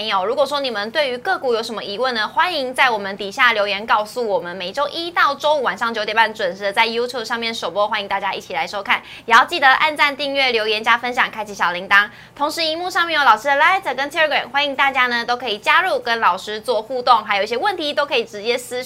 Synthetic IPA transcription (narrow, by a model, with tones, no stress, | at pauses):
jo˨˩ʊɻu˧˥kwɔ˨˩ʂ̬wɔ˥ni˨˩mə˨˦nt̪we˥˩ɪy˧˥kɤ˥˧ku˨˩jo˧˥ʊʂə˧˥mə˧ʔi˧˥wə˥˩nə˩xwa˦˥ni˧˥ŋt͡sa˥˩ɪwɔ˨˩mə˦nt̪i˨˩ɕja˥˩ljo˧˥ʊjɛ˧˥nkɑ˥˧ʊsu˥˩wɔ˨˩mə˦nme˨˩ɪʈ͡ʂo˥ʊʔi˥t̪ɑ˥˩ʊʈ͡ʂo˥u˧˩wa˨˩nʂɑ˥˩ŋt͡ɕjo˧˥ʊt̪jba˥˩nə˩ʈ͡ʂwə˨˩nʂɻ̩˧˥d̪ə˧t͡sa˥˩ɪju˥t̪ʰju˥˩b̚ʂɑ˥˧ŋmjɛ˥˩nʂo˨˩ʊpwɔ˥xwa˥ni˧˥ŋt̪a˥˩t͡ɕja˦˥ʔḭ˥˩t͡ɕʰi˨˩la˧˦ɪʂo˥ʊkʰa˥˩n | jjɛ˨˩jɑ˥˧ʊt͡ɕi˥˩d̪ə˧˦ʔa̰˥˧nt͡sa˥˧nt̪i˥˧ŋɥɛ˥˩ljo˧˥ʊjɛ˧˥nt͡ɕja˥fə˦nɕ̬jɑ˨˩ŋkʰa˥ɪt͡ɕʰi˨˩ɕjɑ˨˩ʊli˧˥ŋt̪ɑ˥ŋ | t̪ʰo˧˥ŋʂɻ̩˧˥i˧˥mu˥˧ʂɑ˥˧ŋmjɛ˥˩jo˧˥lɑ˨˩ʊʂɻ̩˥d̪ə˨la˥ɪt̪ʰə˨˩kə˦˥nt̪ʰi˥ə˥˩ɡɹɛ̰˨˩mxwa˥ni˧˥ŋt̪a˥˩t͡ɕja˥nə˨t̪o˥ʊkʰɤ˧˥i˨˩t͡ɕja˥ɻu˥˩kə˦nlɑ˨˩ʊʂɻ̩˥t͡swɔ˥˧xu˥˧t̪ʊ˥˩ŋxa˧˥ɪji˧˩jʲɛ˥wə˥˩nt̪ʰi˧˥t̪o˥ʊkʰɤ˧˥i˨˩ʈ͡ʂɻ̩˧˦t͡ɕjɛ˥sɹ̩˥